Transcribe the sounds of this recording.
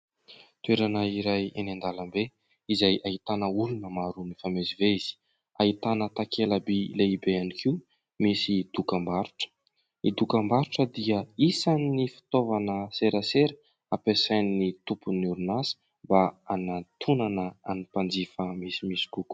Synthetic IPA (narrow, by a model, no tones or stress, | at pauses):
t̪ueɾanəiɾajenand̪alambe | izajaɦit̪anəulunəmaɾunifameziveiz̥i̥ | ait̪anət̪akʰeləbileibeanikʰiu | misid̪̥ukambaɾuʈ͡ʂə̥ | id̪ukəmbaɾuʈ͡ʂəd̪iəisanːifi̥t̪ovanəseɾəseɾə | apesajnnit̪upunuɾunasi̥ | mbaanat̪ʰunanəanipand͡zifəmisimisi̥kuku̥